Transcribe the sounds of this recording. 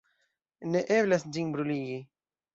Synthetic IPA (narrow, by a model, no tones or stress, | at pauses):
neʔeblasd͡ʒinbɾuliɡi